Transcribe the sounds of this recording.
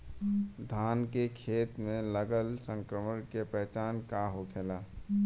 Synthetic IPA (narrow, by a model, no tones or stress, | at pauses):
d̪ʱaːnkekʰeːt̪mẽləɡəlsə̃ŋkɾəməɽ̃kepɛɦt͡ʃaːnkaɦokʰeːlaː